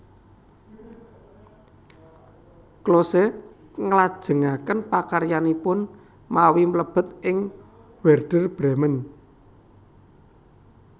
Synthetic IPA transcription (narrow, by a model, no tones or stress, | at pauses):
klosɛ | ŋəlad̥ʒ̥ə̤ŋakənpakaɾjanipʊn | mawimələb̥ə̤t̪̚ʔɪŋ | wɛrɖ̥ərb̥ɾɛmən